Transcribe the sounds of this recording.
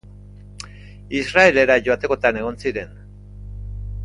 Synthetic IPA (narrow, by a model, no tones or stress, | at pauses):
israe̞le̞ɾaʝo̞at̪e̞ko̞t̪ane̞ɣ̞o̞nsiɾe̞n